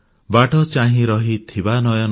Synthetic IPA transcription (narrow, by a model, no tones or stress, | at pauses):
baʈɔt͡ʃaɦĩɾɔɦit̪ʰibanɔjɔn